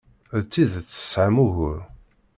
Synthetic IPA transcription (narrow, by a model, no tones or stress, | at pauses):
t͡sːiðt͡sːə̥sʕamuɣʊɾ